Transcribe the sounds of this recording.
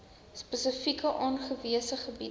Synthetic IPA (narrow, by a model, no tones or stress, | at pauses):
spəsəfikəʔɑːnχəviəsəχəbi